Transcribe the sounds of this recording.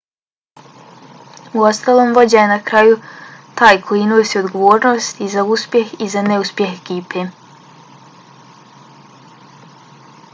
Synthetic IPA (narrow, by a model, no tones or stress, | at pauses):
uo̞st̪aːloːmʋo̞d͡ʑajenakɾajut̪aːjkʰojinoːsio̞d̪ɡoʋoːɾno̞ːst̪izauspje̞xizaneuspje̞xekiːpʰeː